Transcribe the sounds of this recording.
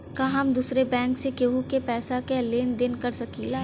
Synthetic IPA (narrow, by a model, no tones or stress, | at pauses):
kaːɦɐmd̪uːsɾebɛ̃ːŋksekeɦukepɛːsakeleːnd̪ɪnkɐɾsɐkiːlaː